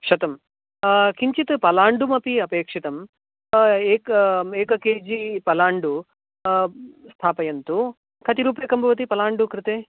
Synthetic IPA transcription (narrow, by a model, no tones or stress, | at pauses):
ʃɐt̪ɐm | kiɲt͡ʃit̪ɨpɐlaːɳɖumɐpiɐpeːkʂit̪ɐm | eːkeːkɐkeːd͡ʒipɐlaːɳɖu | st̪ʰaːpɐjɐnt̪u | kʰɐt̪iɾuːpeːkɐmbʱɐʋɐt̪̬ipɐlaːɳɖukɾɪt̪eː